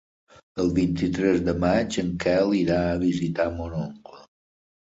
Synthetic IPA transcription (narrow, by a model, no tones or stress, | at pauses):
əlˠβint̪it̪ɾɛzd̪əmad͡ʒəŋkɛlˠiɾaəβ̞izit̪amonoŋklə